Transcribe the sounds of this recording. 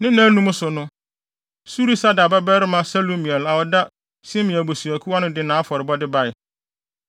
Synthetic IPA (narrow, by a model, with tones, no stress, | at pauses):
nɪ̃˦nã˦nũ˦m˦sʊ˨nʊ̃˦ | su˦ɾi˦sa˦da˨ba˦bɛ˦ɾɪ˦mã˦sa˦lo˦mĩ˨ɛ˨la˨wɔ˨da˦ | sĩ˦mɪ̃˨æ˨bo˨su˨æ˨kʰu˦a˦nʊ̃˦dɪ˦nãː˨˦fɔ˨ɾɪ˨bɔ˦dɪ˦ba˦ɪ˨